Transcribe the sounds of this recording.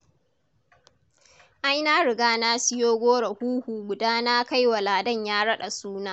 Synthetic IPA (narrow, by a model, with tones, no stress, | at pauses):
ʔa˦jnaː˦ɽɪ˨ɡaː˦naː˦sɪ˦joː˦ɡʷoː˦ɽe˨huː˦huː˨ɡʷʊ˨daː˦na˦ka˦jwa˨laː˨dɐ˦˨ɲjaː˦ɽɐ˦ɗa˨suː˦naː˦